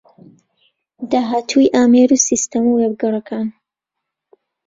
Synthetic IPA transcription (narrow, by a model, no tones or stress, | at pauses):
d̪aːɦaːt̪ʰuːjʔaːmeːɾuːsist̪ɐmuweb̚ɡɨrˤɐkʰaːn